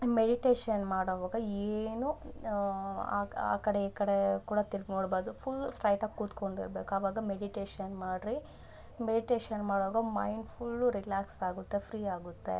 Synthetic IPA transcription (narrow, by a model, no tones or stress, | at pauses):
meɖiʈeːʃɐnmaːɽoʋaːɡɐeːnu | a̰ːa̰ːkɐɽeiːkɐɽekuːɽɐt̪ilɡnoːɽboːd̪upʰulːsʈɾɐjʈakːuːt̪ko̞ɳɖḭɾbeːkuɐʋaːɡɐmeɖiʈeːʃɐnmaːɖɾi | meɖiʈeːʃɐnmaːɽoʋaːɡɐmɐjɳɖpʰulːɾilaːksaːɡut̪ːepʰɾiːaːɡut̪ːe̞̰